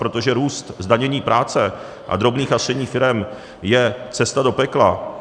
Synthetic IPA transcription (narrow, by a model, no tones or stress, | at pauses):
pɾo̞t̪oʒɛɾuːst̪zdaɲɛɲiːpɾʔaːt͡sɛ | ʔa̰d̪ɾo̞bniːxast̪rɛɲiːfɪɾɛm | jɛt͡sɛst̪ado̞pɛkla